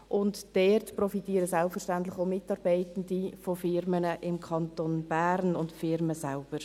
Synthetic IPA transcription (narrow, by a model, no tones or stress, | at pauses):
ʔʊntd̥ɛːrtprɔfitiːəɾəsɛlffəɾʃtantlɪχoʊmɪtːɑːɾbɛɪtən̩difofɪɾmənəʔɪmkʰɑntonb̥æːɾnʊntfɪɾməsalb̥əɾ